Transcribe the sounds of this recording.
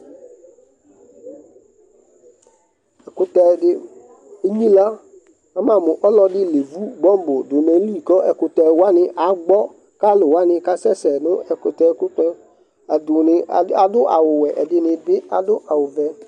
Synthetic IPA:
ɛ˨kʊ˨tɛ˨dɪ˦ | e˦ɲĩ˦la˦ | a˦mã˨mʊ̃˨ʔɔ˦lɔ˦dɪ˦le˨vu˦ɡ͡bɔ̃˦m˦bʊ˨dʊ˨mɛ̃˨n˦lu˦i˨kɔ˦ɛ˨kʊ˨tɛ˨wa˦nɪ̃˦ʔa˨˦ɡ͡bɔ˦ | ka˦lʊ˨wa˦nɪ̃˨ka˦sɛ˦sɛ˨nʊ̃˦ɛ˨kʊ˨tɛ˨˦kʊ˦tɛ̃˦ | a˨dʊ˨nɪ˨a˨dʊ˦ʔa˨wʊ˨wɛ˨ʔɛ˨dɪ˦nɪ̃˨bɪ˦a˨dʊ˦ʔa˨wʊ˨vɛ˨

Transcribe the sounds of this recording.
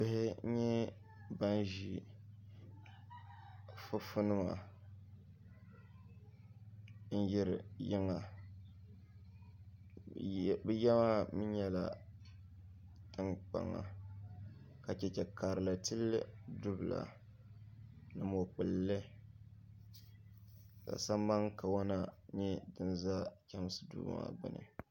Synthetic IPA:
bɪ˦hɪ˦ɲɛ˦ | ba˦n˦ʒi˨ | fʊ˦fʊ˦nɨ˦ma˨ | n̩˦jɪ˦ɾɪ˨jɪ˦ŋa˨ | bɛ˦jɛ˦ma˦mɨ˦ɲɛ˦la̰˨ | tɨ˦k͡pa̰˨ŋːa̰˨ | ka˨t͡ʃɛ˦t͡ʃɛ˨kaː˨ɾɨ˨la˨tɨ˦lːɨ˦dʊ˦bɨ˨la̰˨ | nɨ˨mo˨k͡pɨ˨lːɨ˦ | ka̰˨sa˦mba˦ŋka˨wa˦na˦ɲɛ˦dɨ˨nza˦kʲɛ˦m˦sɨ̥˨dṵː˦˨˦ma̰˨bɨ̰˦nɨ̰˨

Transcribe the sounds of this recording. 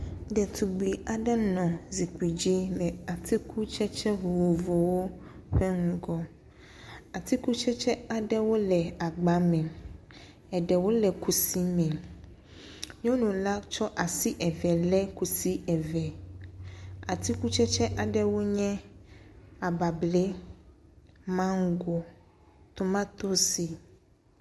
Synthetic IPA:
ɖɛ˨t̪ʰu˨ɡ͡bi˨a˨ɖɛ˦nɔ̃˨zi˨ki˨d͡ʑi˦lɛ˨a˨t̪ʰi˦kʰu˦t͡ʃɛ˦t͡ʃɛ˦vo˨wo˨vo˨wo˦ɸɛ˦ŋũ˨ɡɔ˦ | a˨t̪i˦ku˦t͡ʃɛ˦t͡ʃɛ˦a˨ɖɛ˦wo˦lɛ˨a˨ɡ͡ba˨mɛ̃˨ | ɛ˨ɖɛ˨wo˦lɛ˨ku˨si˦mɛ̃˨ | ɲ˦õ˦nũ˨la˦t͡ʃɔ˦ʔa˨si˦ʔɛ˨vɛ˨lɛ˦ku˨si˦ɛ˨vɛ˨ | a˨t̪i˦ku˦t͡ʃɛ˦t͡ʃɛ˦ʔa˨ɖɛ˦wo˦ɲɛ̃˦ | a˨ba˨blɛ˦ | mã˦ŋ̩˦ɡo˨ | t̪o˨˦mã˦t̪o˦si˨

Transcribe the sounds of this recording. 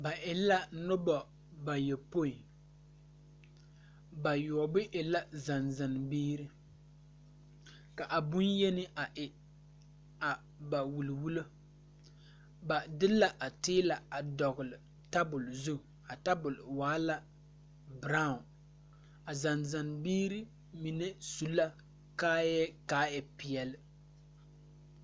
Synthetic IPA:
ba˨ʔɪ˨la˦nʊ˦bɔ˨ | ba˨jɛ˨po˦i˨ | ba˨jɔ˨ɔ˨bʊ˦ʔɪ˨la˦za˨nza˨n˨biː˦ɾɨ˦ | ka˨ʔa˨bʊ˦njɛ˦nɪ˦ʔa˨ʔɪ˨ | a˨ | ba˨wu˨lwu˦lo˦ | ba˨dɪ˦la˨ʔa˨tɪː˦la˨a˨dɔ˨ɣʊ˨lɪ˨ | ta˦bʊ˨lzʊ˦˨ | a˨ta˦bʊ˨lɪ˨waː˦la˦ | bɾa˦ʊ˨n | a˨za˨nza˨nbiː˦ɾɨ˦ | mi˨nɛ˦su˦la˦ | kaː˦jɛ˦kaː˦ɛ˨pɪ˨ɛ˦lɪ˦

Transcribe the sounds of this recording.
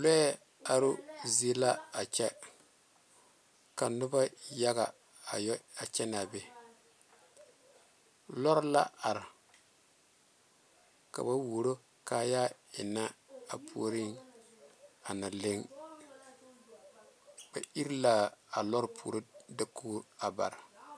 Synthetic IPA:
lɛ˦ | a˨ɾu˦ze˦la˦a˨t͡ʃɛ˦ | ka˨nʊ˦ba˦ja˦ɡa˨ | a˨ja˨t͡ʃɛ˦n˨a˨bɛ˨ | lɔ˦ɾla̰˦a˨ɾ | ka̰˨ba˦wo˨ɾo˦ | ka˨ja˦ɪ˨na˦a˨pʰṵ˦˨ɾi˦ŋ | a˨na˨le˦ŋ | b̥a˨i˦ɾla˦a˨lɔ˦ɾpʰṵ˨ɾo˦dɪ˨kuː˦a˨ba̰˨ɾ

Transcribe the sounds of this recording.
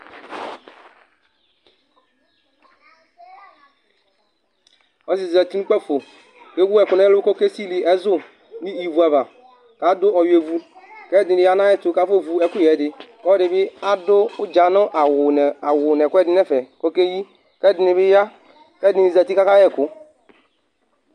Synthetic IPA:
ɔ˦si˨za˨ti˦nu˦kʷɛ˦˨fo˨ | ke˦wu˦ɛ˨ku˨nɛ˦lu˦ko˦ke˦si˦li˨ʔɛ˦zʊ˦ | ni˦i˨vu˨a˨βa˨ | ka˨˦dʊ˦ɔ˨je˨vu˦kɛ˦˨di˨ni˨ja˦na˦jɛ˦tu˨ka˨˦fo˦˨vu˨ɛ˦ku˦jɛ˨dɪ˨kɔ˦di˨bɪ˦a˦dʊ˦u˦d͡ʒa˨nʊ˦ʔa˨a˨wu˨nɛ˨kʷu˦ɛ˦di˦nɛ˦fɛ˨ko˦ke˦ji˦ | kɛ˦˨di˨ni˨bi˦ja˦ | kɛ˦˨di˨i˨za˨ti˦ka˦ka˦jɛ˦˨kʊ˨˦

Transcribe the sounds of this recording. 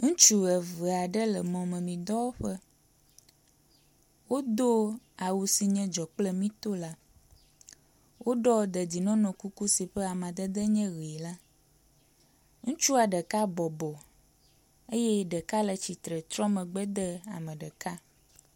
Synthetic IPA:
ŋũ˦t͡ʃu˦ə˨və˨a˨ɖə˦lə˨mɔ̃˨mə̃˨mĩ˨d̪ɔ˦wo˦ɸə˦ | wo˦d̪o˦a˨wu˨si˨ɲɛ̃˦d͡ʒɔ˨k͡plə˦mĩ˦t̪o˦la˦ | wʔo˦ɖɔ˦d̪ə˨di˨nɔ̃˦nɔ̃˨ku˦ku˦si˨ɸə˦a˨mã˨d̪ə˦d̪ə˦ɲɛ̃˦ɣi˨la˦ | ŋũ˦t͡ʃu˦a˨ɖə˨ka˦bɔ˨bɔ˨ | e˦jɛ˦ɖə˨ka˦lə˨t͡ɕi˨t̪ɾə˨t̪ɾɔ̃˦mə̃˨ɡ͡bə˦d̪ə˦a̰˨mə̃˨ɖə˨ka˦

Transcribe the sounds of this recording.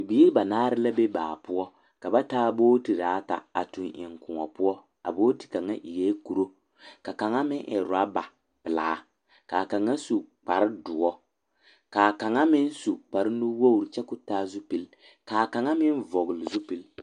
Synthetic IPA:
bi˦ɾi˦ba˨naː˦ɾɪ˦la˦be˦baː˨pʊ˦ɔ˦ | ka˨ba˦taː˦boː˦ti˨daː˨˦ta̰˨a̰˨tu˨nʔɪ̰˨ŋkʊ˨ŋɔ̰˨pʊ˦ɔ˦ | a̰˨boː˦ti̥˨ka˨ŋːa˦ʔi˨ɡeː˦ku˨ɾo˦ | ka˨ka˨ŋa˦mɪ˦ʔɛ̰˨ɾa˦ba˨ | pɨ˨la̰ː˨˦ | ka˨ka˨ŋːa˦su˨k͡pa˨ɾɪ˦dʊ˨ɔ˦ | ka˨ka˨ŋa˦mɪ˦n˦su˨k͡pa˨ɾɪ˦nu˦wo˦u˨ɾt͡ʃɛ˦kʊ˦taː˦zu˦pi˨l | kaː˨ka˨ŋa˦mɪ˦nvɔ˨ɣɨ˨lɪ˨zu˦pi˨l

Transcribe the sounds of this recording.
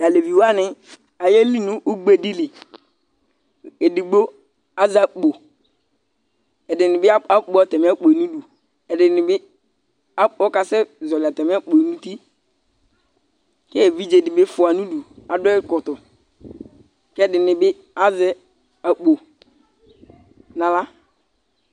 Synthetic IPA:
ja˨le˨vi˨wa˦nɪ˦ | a˨je˦li˦nu˦ʔu˦ɡ͡be˦˨di˦li˨ | e˨di˨ɡ͡bo˦ | a˦za˨k͡po˨ | ɛ˨dɪ˨nɪ˨bɪ˦a˦a˦k͡po˨˦a˨tɛ˨m˨˦a˦k͡po˨e˨nu˦du˨ | ɛ˨dɪ˨nɪ˨bɪ˦ | a˦ɔ˦ka˨sɛ˦zɔ˨lɪ˨a˨tɛ˨m˦a˦k͡po˨nu˦ti˦ | kɛ˦e˨vi˦d͡ʒe˨dɪ˨bɪ˦fʊ˨a˨nu˦du˨a˨dʊ˦ɛ˦kɔ˨tʊ˨ | kɛ˦˨dɪ˨nɪ˨bɪ˦ | a˦zɛ˦ | a˨k͡po˨ | na˨la˦

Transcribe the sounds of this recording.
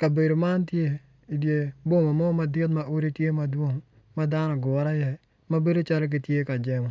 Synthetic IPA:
ka˨be˨do˨ma˦ntje˦ | i˨dje˦bo˦ma˨mɔ˦ma˨dɪ˦t̪̬̚ma˦ʔo˦ɾi˦tje˦ma˨dwo˦ŋ | ma˦da˦nɔ˨ɡɔ˨˦ɾa˦jɛ˨ | ma˦be˦do˦t͡ʃa˦ɾk̬ɪ˨tje˦ka˨d͡ʒɛ˦mɔ˨

